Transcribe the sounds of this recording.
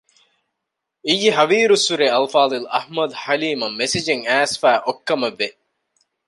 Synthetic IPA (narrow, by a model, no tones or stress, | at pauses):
ijːiɦɐʋiːɾusːuɾeɐlfaːd̪ilɐhmɐd̪ħɐliːmɐmːesid͡ʒeŋæːsfæːʔokːɐmɐʋːe